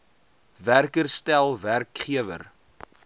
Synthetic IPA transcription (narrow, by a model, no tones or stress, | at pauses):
værkərstælˠværkχiəvə̰r